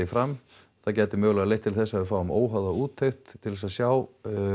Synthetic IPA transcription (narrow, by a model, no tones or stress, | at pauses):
ɪfɾam | θaðcɛːt̪ɪmœːɣlaɣalejht̪ʰːɪlθɛsːaʏfaːwʏmoːwɦawðauːt̪ʰːœɥxt̪ʰːɪlðɛsasjaːw